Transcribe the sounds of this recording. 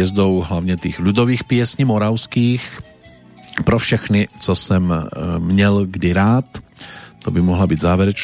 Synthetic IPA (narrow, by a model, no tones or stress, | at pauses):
ɛzd̪owɦlavɲɛt̪ixlud̪oviːxpɪɛsɲimoɾawskiːx | pɾofʃɛxnɪt͡sosɛmːɲɛlɡdɪɾaːt̪ː | obɪmoɦlabiːd̪zaːvjɛɾɛt͡ʃ